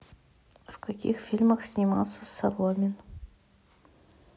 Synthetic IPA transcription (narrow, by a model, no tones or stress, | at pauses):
vkʰakʲḭxfʲilʲməxsʲnʲimɑ̰lˠsəsɐlˠomʲɪn